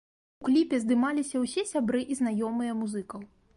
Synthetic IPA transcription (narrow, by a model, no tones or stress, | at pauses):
uklʲipʲɛzd̪ɨmalʲisʲɐwsʲɛsʲabɾɨʔizn̪ajɔmɨjɐmuzɨkɐw